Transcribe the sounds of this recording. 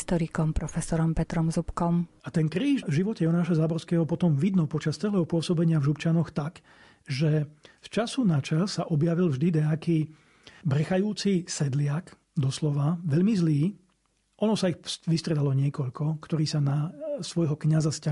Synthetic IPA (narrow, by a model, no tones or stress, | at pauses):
t̪ɔɾikɔmpɾɔfɛsɔɾɔmpɛt̪ɾɔmzupkɔmat̪ɛnkɾiːʒvʒiʋɔcɛjɔnaːʃazaːbɔɾskɛːɦɔpɔt̪ɔmʋid̪nɔpɔt͡ʃast͡sɛlɛːɦɔpʊɔsɔbɛɲɪavʒupt͡ʃanɔxt̪ak | ʒɛft͡ʃasunat͡ʃɛʎsaʔɔbjaʋilvʒd̪id̪ɛakiː | bɾɛxajuːt͡sisɛd̪lɪak | d̪ɔslɔʋaʋɛʎmizliː | ʔɔnɔsaixsʋist̪ɾɛd̪alɔɲɪɛkɔʎkʰɔkt̪ɔɾiːsanasʋɔjɦɔkɲazasca